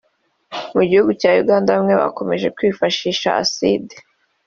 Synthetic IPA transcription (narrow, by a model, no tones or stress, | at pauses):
muɟihuɡucaːjuɡaːndamŋe̞βa̰ko̞me̞ʒe̞kwiːfaʃiːʃa̰ʔa̰side̥